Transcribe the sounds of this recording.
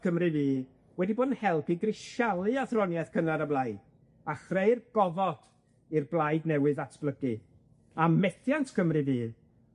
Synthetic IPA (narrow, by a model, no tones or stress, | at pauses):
kʰəmrɨviː | wɛdiboːdn̩hɛlˠpiɡrɪʃalˠɨaθrɔnjɛθkʰənaɾəblˠajd | aχrejrɡ̥ɔvɔd̥ | irblˠajdnɛwɨðatʰb̥lˠəɡɨ | amɛθjantʰkʰəmrɨviː